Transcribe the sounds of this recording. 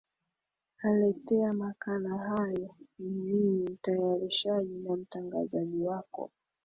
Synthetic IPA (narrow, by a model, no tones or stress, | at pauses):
alɛtɛamakanahajɔninimim̩tajaɾiʃaʄinam̩taŋɡazaʄiwakɔ̰